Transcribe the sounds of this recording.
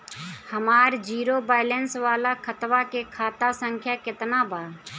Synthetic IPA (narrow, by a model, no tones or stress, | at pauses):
həmaːɾd͡ʒiːɾobaːɪlənsʋaːlakʰət̪ʋakekʰaːt̪asə̃ŋkʰjakɪt̪nabaː